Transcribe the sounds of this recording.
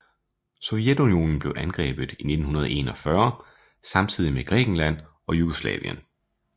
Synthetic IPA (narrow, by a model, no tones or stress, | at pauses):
so̽ed̥unio̝̰nn̩b̥le̝ʊʔænɡ̥ʁɛ̰ːb̥ð̩ˠine̝d̥n̩ɦunɐð̞ˠʔe̝̰ːnɒ̽fɶɐ | sɑ̈mt͡sʰið̰ˠimeɡ̥ʁɛ̰ːɡ̥n̩læn̰ | ɒ̽juɡ̥oslɛ̰ːʋiə̰n